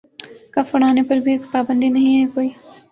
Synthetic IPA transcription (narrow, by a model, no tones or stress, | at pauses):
kəfəɽ̃aːnepəɾbʱikpaːbə̃nd̪ʱiːnəɦĩɦɛːkoːiː